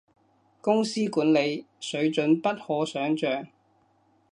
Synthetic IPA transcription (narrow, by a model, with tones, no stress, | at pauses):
kʊ˥ŋsiː˥kuː˨˥nle˨˧j | sɵ˨˥ɥt͡ʃɵ˨˥npɐ˥t̚hɔː˨˥sœː˨˥ŋt͡ʃœː˨ŋ